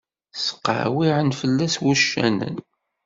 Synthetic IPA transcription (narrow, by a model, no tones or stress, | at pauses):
sə̥qːə̰ʕwiʕənfəlːæswuʃːæ̰nə̰n